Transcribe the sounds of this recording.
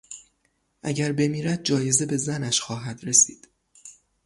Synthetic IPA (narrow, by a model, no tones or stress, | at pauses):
ʔæ̰ɟæɾbe̞miːɾæd̪̚d͡ʒɒːje̞ze̞be̞zænæʃxɒːɦæd̪ɾe̞siːd̪̥